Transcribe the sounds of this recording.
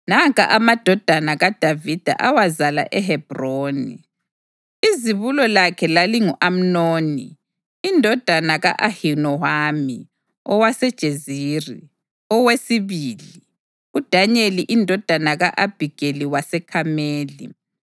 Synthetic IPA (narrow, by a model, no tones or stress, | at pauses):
naŋkʼa̰ʔamad̥ʱɔd̥ʱanaɣad̥ʱavid̥ʱa̰ʔawazala̰ʔɛɦɛb̥roːni | iziβulɔlakʰɛlaliŋuʔam̩noːniː | ndʱɔd̥ʱanaɣa̰ʔahinɔhami | ɔwasɛd̥ʒ̥ʱeziːri | ɔwesiβiːli | ud̥ʱaɲeliʔindʱɔd̥ʱanaɣaʔab̥ʱiɡ̥ʱeliwasɛkʰameːlḭ